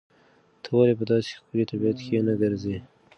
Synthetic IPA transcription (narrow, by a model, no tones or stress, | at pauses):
t̪ʰəwalep̬əd̪ɑse̥xkəlit̪abijat̪kenaɡəɾze